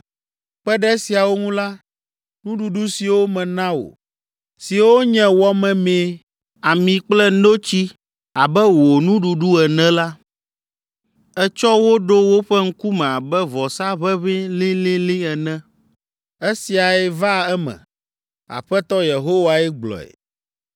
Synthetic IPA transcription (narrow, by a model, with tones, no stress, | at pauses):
k͡pɛ˦ɖɛ˦si˨a˨wo˦ŋũ˦la˦ | nũ˦ɖu˨ɖu˦si˨wo˦mɛ̃˨nã˦wo̰˨ | si˨wo˦ɲɛ̃˦wɔ˦mɛ̃˨mẽ˦ | a˨mĩ˨k͡plɛ˦no˦t͡ɕi˦ | a˨bɛ˦wo˨nũ˦ɖu˨ɖu˦ɛ˨nɛ̃˦la˦ | ɛ˦t͡ʃɔ˦wo˦ɖo˦wo˦ɸɛ˦ŋ̩˦ku˦mɛ̃˨a˨bɛ˦vɔ˨sa˦βɛ˦βĩ˦lĩ˦lĩ˦lĩ˦ɛ˨nɛ̃˦ | e˦si˨a˨ɛ˦va˦ɛ˦mɛ̰̃˨ | a̰˨ɸɛ˦t̪ɔ˦je˨ɦo˦wa˨ɛ˦ɡ͡blɔ̰˨ɛ̰˨